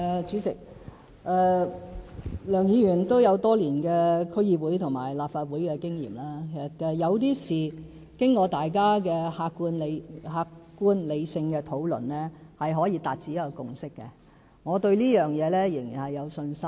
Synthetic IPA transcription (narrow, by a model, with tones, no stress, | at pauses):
ɛː˨˧t͡ʃyː˨˥t͡sɪ˨k̚ | ʔɛː˧ | lœː˨˩ŋjiː˨˧ɥyː˨˩nt̪o˥wjɐ˨˧wt̪ɔː˥liː˨˩nkɛː˧kʰɵ˥jiː˧wuː˨˥jt̪ʰʊ˨ŋma̰ː˨˩jlaː˨p̚faː˧t̚wuː˨˥jkɛː˧kɪ˥ŋjḭː˨˩mlaː˥kʰe˨˩sɐ˨˩t̚kɛjɐ˨˧wt̪iː˥siː˨ | kɪ˥ŋkɔː˧t̪aː˨jkaː˥kɛː˧haː˧kːu˥nle˧jhaː˧kkːuː˥nle˨˧jsɪ˧ŋkɛː˧t̪ʰo˨˥wlɵ̰˨˩nlɛː˥hɐ˨jɦɔː˨˥jiː˧t̪aː˨t̚t͡siː˨˥jɐ˥kːɔ˧kʊ˨ŋsɪ˥kːɛ̰˧ | ŋɔː˨˧t̪ɵ˧ɥliː˥jœː˨ŋjɛː˨˧lɛː˥jɪ˨˩ŋjiː˨˩nhɐ˨jːɐ˨˧wsɵ˧nsɐ˥m